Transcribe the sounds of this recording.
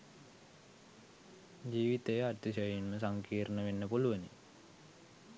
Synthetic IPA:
d͡ʒiːʋit̪əjəat̪ːisəjinməs̬aŋkiːɾnəʋenːəpuluʋənḭ

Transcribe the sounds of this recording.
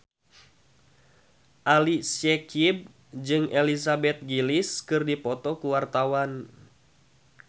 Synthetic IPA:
ʔalisɛkib̚ | d͡ʒɨŋɛlisabɛt̪̚ɡiliskɨrdipɔt̪ɔkuwart̪awan

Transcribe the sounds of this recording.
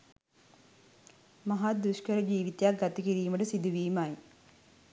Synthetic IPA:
maɦad̪uʃkəɾəd͡ʒiːʋit̪ejak̚ɡat̪əkiɾiːməʈəsid̪uʋiːmaj

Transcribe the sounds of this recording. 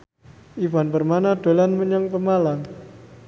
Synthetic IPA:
ʔivuanbərmanad̥olanməɲaŋpəmalam

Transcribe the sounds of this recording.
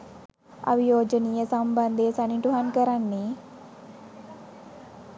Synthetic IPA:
a̰ʋijoːd͡ʒəniːjəsamband̪esaniʈuɦankəɾanːe

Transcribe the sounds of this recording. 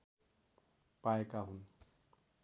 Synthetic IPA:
paekaɦun

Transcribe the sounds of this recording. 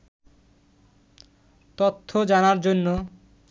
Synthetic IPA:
t̪ot̪ʰːod͡ʑanaɾd͡ʑonːo

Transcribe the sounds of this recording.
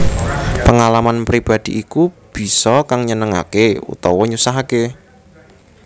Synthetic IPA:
pəŋalamanpɾib̥a̤d̪̥i̤ʔikub̥i̤sɔkaŋɲənəŋa̰keṵt̪ɔwɔɲusaɦake

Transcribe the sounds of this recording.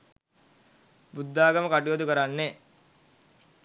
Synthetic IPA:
bud̪ːaːɡəməkaʈijoːd̪ukəɾanːe

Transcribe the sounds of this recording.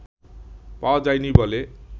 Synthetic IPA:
pad͡zajnibʱʌle

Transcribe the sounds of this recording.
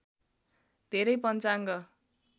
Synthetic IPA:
d̪ʱeɾʌjpʌnt͡saŋɡʌ

